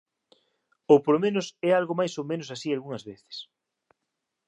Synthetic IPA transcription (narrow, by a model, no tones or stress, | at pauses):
opolomẽnʊsɛalɣomajsowmẽnʊsasialɣuŋɐzβeθɪ̥s